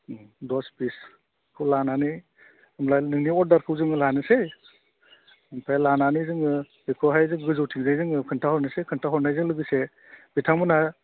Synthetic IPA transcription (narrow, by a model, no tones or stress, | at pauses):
dɔspis | kʰɯwlanani | ɯmlajnɯŋniɔɾ̚daɾkʰɯwzɯŋɯlanɯse | mpʰajlananizɯŋɯ | bikʰɔɦajzɯŋɡɯzɯwtʰiŋzajzɯŋɯkʰɯntʰahɔɾnɯsekʰɯntʰaɦɔɾnajzɯŋlɯɡɯse | b̥itʰamɯna